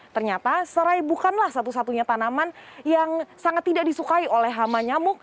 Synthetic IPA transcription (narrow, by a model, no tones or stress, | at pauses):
t̪ərɲat̪asəɾajbukanlahsat̪usat̪uɲat̪anamanjaŋsaŋat̪ːidaʔdisukaiolɛhɦamaɲamʊk̚